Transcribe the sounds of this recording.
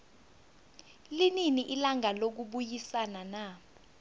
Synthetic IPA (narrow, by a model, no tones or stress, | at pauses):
lininiʔilaŋalok̬uɓujisanana